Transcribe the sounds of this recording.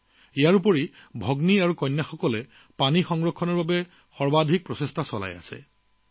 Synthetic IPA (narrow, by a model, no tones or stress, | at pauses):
ijaɹupɔɹibʱɔɡniaɹukɔjnːaxɔkɔlɛ | panixɔŋɹɔkʰːɔnɔɹbabɛ | xɔɹbadʱik̚pɹɔsestʰasɔla̰ja̰sɛ̰